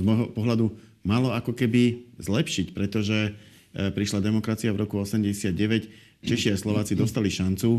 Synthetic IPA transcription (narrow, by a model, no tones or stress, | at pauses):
zmɔɦɔpɔɦlad̪u | malɔakɔkɛbizlɛpʃicpɾɛt̪ɔʒɛ | pɾiʃlad̪ɛmɔkɾat͡siavɾɔkuɔsɛmɟɛsɪad̪̚ɟɛʋɛc | t͡ʃɛʃiaslɔʋaːt͡sid̪ɔst̪aliʃant͡su